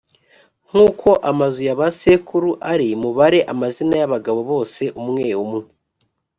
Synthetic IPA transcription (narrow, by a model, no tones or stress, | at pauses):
ŋ̥uːkʰo̞ʔamazujaβasekuɾuʔaɾimuβaɾe̞ʔamazinajaβaɡaβo̞βo̞ːse̞ʔumŋe̞umŋe